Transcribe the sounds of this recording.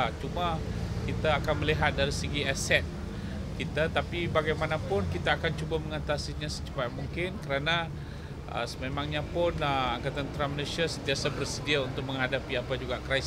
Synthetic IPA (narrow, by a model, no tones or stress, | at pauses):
t͡ʃumakit̪aːkanməliɦat̪̚daɾisəɡiasɛt̪̚ | kit̪at̪apibaɡajmanapʊnkit̪aːkant͡ʃubaməŋat̪asiɲasə̥t͡ʃə̥pat̪̚muŋkɪnkəɾana | ʔə̰səmemãŋɲapʊnəaŋkat̪ant̪ɾaməlesiasənt̪iasabərsədiaunt̪ʊk̚mə̃ŋɦadapiapad͡ʒuɡaʔkɾajs